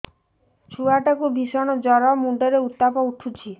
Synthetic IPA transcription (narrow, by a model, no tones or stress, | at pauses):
t͡ʃʰuaʈakubʱisɔɽ̃ɔd͡ʒɔɾɔmuɳɖɔɾeut̪ːapɔuʈʰut͡ʃʰi